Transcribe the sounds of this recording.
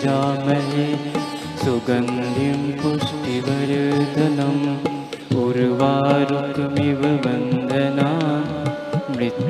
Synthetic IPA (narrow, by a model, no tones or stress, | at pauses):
aːmɐle | suɡɐnd̪ʱimpuʂʈiʋɐɾɐd̪ɐnɐm | puɾʋaːɾut̪miʋɐbɐnd̪ʱɐnaː | mɾit̪